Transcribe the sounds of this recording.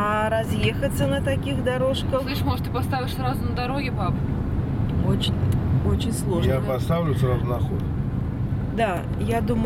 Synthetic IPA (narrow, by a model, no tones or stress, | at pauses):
ɐɾɐzʲjexət̪ʲsʲənət̪ɐkʲixd̪ɐɾo̞ʂkəxɨʂmoʐət̪ɨpast̪avʲɪʂsʲɾazʊnəd̪aɾoɡʲɪbabʲ | ot͡ɕɪnʲot͡ɕɪnʲslˠo̞ʐjapɐst̪awlʲʊsʲəɾazʊnaxot̪ | d̪a | jad̪um